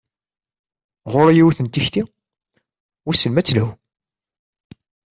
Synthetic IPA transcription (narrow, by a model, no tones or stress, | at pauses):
ʁʊɾjiwθənt̪içt̪i | wæsəlmæt͡sːlæw